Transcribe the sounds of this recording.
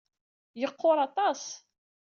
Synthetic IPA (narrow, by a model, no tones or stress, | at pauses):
jəqʰːʊɾˤɑt̪ˤɑs